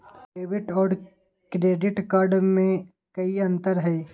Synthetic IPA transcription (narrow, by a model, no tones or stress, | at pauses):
eːʋɪʈɔːɾ | kɾeːɖɪʈkaːɾɖmẽ | kɐiɐ̃nt̪əɾɦɛː